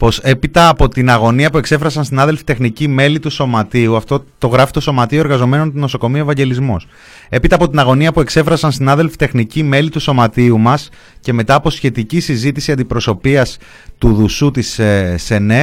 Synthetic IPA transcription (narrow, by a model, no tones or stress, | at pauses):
po̞se̞pit̪ɐːpo̞t̪inɐɣo̞niɐpue̞kse̞fɾɐsɐnsinɐðe̞lfi̥t̪exnicime̞lit̪uso̞mɐt̪iuɐft̪o̞t̪o̞ɣɾɐfit̪o̞so̞mɐt̪io̞e̞ɾɣɐzo̞me̞no̞nt̪uno̞so̞ko̞mioe̞vɐɲɟe̞lizmus | e̞pit̪ɐːpo̞t̪inɐɣo̞niɐpue̞kse̞fɾɐsɐnsinɐðe̞lfi̥t̪e̞xnicime̞lit̪uso̞mɐt̪iumɐs | ce̞me̞t̪ɐːpo̞sçe̞t̪icisizit̪isiɐnd̪ipɾo̞so̞piɐs | t̪uðusut̪isse̞ne